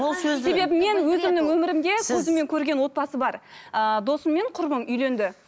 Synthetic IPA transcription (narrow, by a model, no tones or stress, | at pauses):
olˠsse̞bebɪme̞nwɵzɪmnɪŋwɵmɪɾɪmd̪e̞sʰɵzəmːe̞ŋkʲʰɵɾɡʲe̞nwo̞t̪̚pɑsəbɑɾəd̪o̞səmːe̞ɴqʰʊɾbəmʏjle̞nd̪ɪ